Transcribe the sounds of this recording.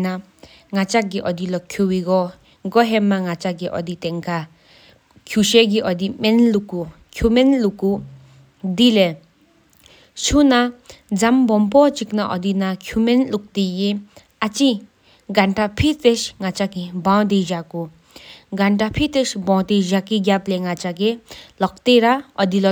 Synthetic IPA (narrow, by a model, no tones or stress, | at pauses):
na | ŋat͡ʃak̚ɡiʔɔd̪ilɔkʰjuwiɡɔ | ɡɔɦɛmːaŋat͡ʃaɡiʔɔ̰d̪it̪ɛŋkʰa | kʰjuʃeɡiʔɔd̪imenluku | kʰjumenluku | d̪ile | sunad͡zambɔmp̬ɔt͡ʃiknaʔɔd̪inakʰumenluk̚d̪ije | at͡ʃi | ɡaɳʈapʰit̪esŋat͡ʃakebãwd̪ezaku | ɡanʈapʰit̪esbãwt̪ezakiɡjapleŋat͡ʃaɡelɔk̚t̪eɾaɔd̪il